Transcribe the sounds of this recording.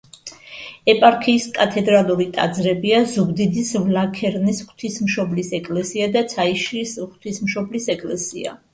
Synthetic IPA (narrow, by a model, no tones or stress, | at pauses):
ɛpʼaɾkʰiːskʼat̪ʰɛd̪ɾalˠuɾit̪ʼa̰d̪zɾɛbiazuɡd̪id̪isvlakʰɛɾnisχt̪ʰismʃɔblisɛkʼlɛsiad̪at̪sʰaiʃɾisχt̪ʰismʃɔblisɛkʼlɛsia̰